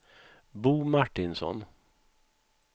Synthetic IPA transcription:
buːmaʈɪnsɔ̰n

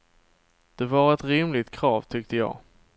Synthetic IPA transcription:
d̪̥ɛvaɾɛt̪ɾɪmlɪt̪kʰɾɑːvt̪ʰʏk̚t̪əjɑ̰ː

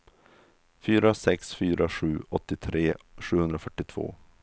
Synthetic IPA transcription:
fyːɾasɛksfyːɾaɧʉ̟ːɔt̪ːɪt̪ʰɾeːɧʉ̟ːhɵnd̪ɾafœʈːɪt̪ʰv̥o̰ː

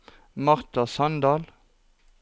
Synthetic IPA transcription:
mɑʁt̪ɑsɑnd̪ɑːl

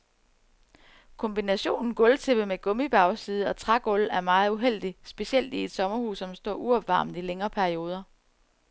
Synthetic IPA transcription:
kʰɒ̽mb̥inæɕo̝̰ːnn̩ɡ̥ɔ̽lt͡sʰe̝b̥əmeɡ̥ɔ̽mib̥ɑ̈ʊsiːð̞̩ˠɒ̽t͡sʰʁaɡ̥ɔ̽læɐmɑ̈ːð̞̩ˠuɦel̰d̥isb̥e̝ɕel̰d̥ied̥sɒ̽mɐhṵːsːɒ̽msd̥ɒ̰ːʔuɒb̥ʋɑ̈ːmð̩ˠileŋɐːpʰæɐio̝ːð̞ˠɐ

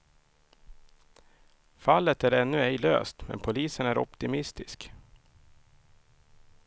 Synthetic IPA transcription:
falːət̪æɾɛnːɵɛjlø̰ːst̪mɛ̰npʰʊliːsənæɾɔ̰pt̪ɪmɪst̪ɪsk

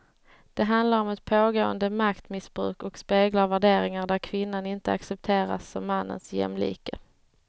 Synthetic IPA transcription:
d̪̥ɛɦand̪laɾɔmɛt̪pʰoːɡoːənd̪əmakt̪mɪsbɾʉ̟̰ːkɔkspeːɡlaɾvæɖeːɾɪŋaɖæɾkʰvɪnːanɪnt̪əaksɛp̚t̪ʰeːɾa̰sːɔmːanːə̰nsjɛ̰mlḭːkə̰

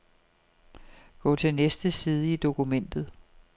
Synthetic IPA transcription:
ɡ̥ɔ̰t͡sʰe̝lnesd̥əsiːð̞ˠəid̥o̝kʰumen̰d̥ð̞̩ˠ

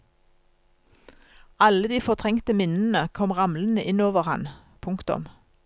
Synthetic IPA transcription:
ɑləd̪iːfɔʁt̪ʰʁɛŋkt̪əmɪnn̩əkʰɔmʁɑmlən̩əʔɪnoːʋəʁhɑn | pʰʊŋkt̪ʊ̰m

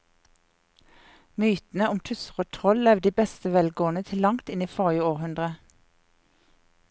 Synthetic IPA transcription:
myːt̪n̩əʊmt̪ʰʉsəʁoːt̪ʰʁɔllɛʋd̪iːbɛst̪əʋɛlɡoːənət̪ʰɪlːɑŋt̪ɪniːfɔʁɪəoːʁhʉnd̪ʁə

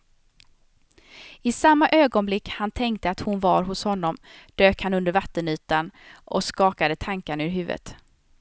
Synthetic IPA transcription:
ɪsamːaʔøːɡɔnblɪkːhant̪ʰɛŋk̚t̪əat̪hʊnvɑːɾɦʊshɔnːɔmd̪̥øːkhanɵnd̪əɾvat̪ːənyːt̪anʔɔ̰skɑːkad̪ət̪ʰaŋkanʉɾɦʉ̟ːvə̰t̪

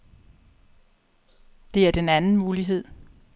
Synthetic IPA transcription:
d̥e̝æɐd̥enænn̩muːliɦe̝ð̰ˠ

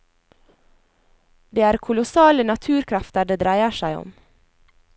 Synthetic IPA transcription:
d̪eːæːɾkʰʊlʊsɑːlənɑt̪ʰʉːɾkʰɾɑft̪əɖeːd̪ɾæɪəʃæɪɔ̰m

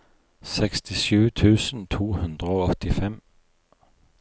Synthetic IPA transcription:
sɛkst̪ʰɪsʉːt̪ʰʉːsən̩t̪ʰuːhʉnd̪ʁəoɔt̪ɪfɛm

